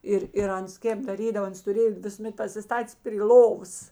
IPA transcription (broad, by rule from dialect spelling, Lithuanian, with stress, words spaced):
ˈɪr ɪr ˈɐns ˈkʲeːp dɐˈrʲiːdɐʋoː ˈɐns tʊˈrʲeːjoː ʋʲɪsʊˈmʲɛt pɐsʲɪˈstɑːtʲeːs pʲrʲɪ ˈlˠoːʋoːs